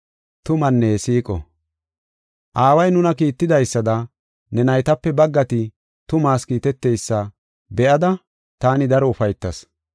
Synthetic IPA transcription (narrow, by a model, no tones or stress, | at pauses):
t̪ʊmɐnːeːsiːkʼɔ̰ | ʔaːwɐjnʊnɐkiːt̪ːɪd̪ɐjsːɐd̪ɐ | nɛnɐjt̪ɐpːɛbɐɡːɐt̪ɪ | t̪ʊmaːskiːt̪ɛt̪ːejsːɐ | bɛʔɐd̪ɐ | t̪aːnɪd̪ɐɾɔʊfɐjt̪ːɐs